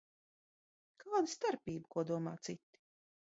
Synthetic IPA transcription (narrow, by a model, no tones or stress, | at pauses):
kʰaːd̪ɨst̪aɾpʲiːbəkuɔd̪uɔma̰ːt̪sit̪ːi̥